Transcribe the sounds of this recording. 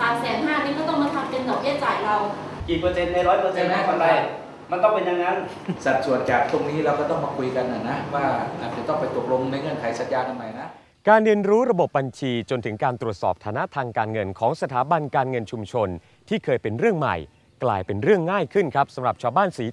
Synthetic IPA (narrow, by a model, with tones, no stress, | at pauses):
saː˨˩˦msɛː˨˩˦nɦaː˥˩˨niː˥˩kɔ˥˩t̪ɔ˥˩ŋmaː˧t̪ʰa˨˩tka˧nka˨˩p̚jɛː˥˩t͡ɕaː˨˩jɾa˧w | kiː˨˩pɤː˧se˧nːa˧ɾɔː˦˥jpɤː˧se˧na˦˥˩ka˧ɾa˧j | ma˧nt̪ɔ˥˩ŋpe˧nja˧ŋːa˦˥n | sa˨˩t̪̚su˨˩ənt͡ɕaː˨˩k̚pʰu˥˩əŋniː˦˥ɾa˧wkɔː˥˩t̪ɔ˥˩ŋmaː˧kʰu˧jka˧nʔa˨˩na˦˥waː˥˩ʔaː˨˩t̪̚t͡ɕa˨˩t̪ɔ˥˩ŋpa˧jt̪o˨˩k̚lo˧ŋna˧jŋɤ˧˩nk̪ʰa˨˩˦jsa˨˩t̪̚jaː˧nʰa˧ma˨˩jna˦˥ | kaː˧nɾi˧ənɾuː˦˥ɾa˧bo˨˩p̚ba˧nt͡ɕʰiː˧t͡ɕo˧nt̪ʰɯ˩˦ŋkaː˧nt̪ɾu˨˩ət̪sɔ̰ː˨˩p̚t̪ʰaː˩˦na˦˥t̪ʰaː˧ŋkaː˧nŋɤ˧nkʰɔː˩˦ŋsa˧t̪ʰaː˩˦ba˧nkaː˧nŋɤ˧nt͡ɕʰu˧mt͡ɕʰo˧n | t̪ʰiː˥˩kʰɤː˧jpe˧nɾɯ˥˩əŋma̰˨˩j | klaː˧jpe˧nɾɯ˥˩əŋːaː˥˩jkʰɯ˥˩nkʰɾa˦˥p̚sa˩˦mɾa˨˩p̚t͡ɕʰaː˧wbaː˥˩nsiː˩˦